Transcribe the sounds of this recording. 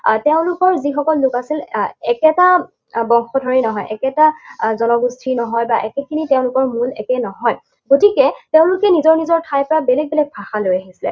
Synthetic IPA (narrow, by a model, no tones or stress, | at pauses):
teʊ̃lʊkɔɹzixɔkɔlːʊkasilɛkɛta | bɔŋxɔdʱɔɹinɔɦɔjʔɛkɛtazɔnɔɡustʰinɔɦɔjbaʔɛkɛkʰiniteʊ̃lʊkɔɹmulɛkɛnɔɦɔj | ɡotikɛteʊ̃lʊkɛnizɔɹnizɔɹtʰajpɔɹabɛlɛɡ̚bɛlɛɡ̚bʰʱaxalojaɦisilɛ̰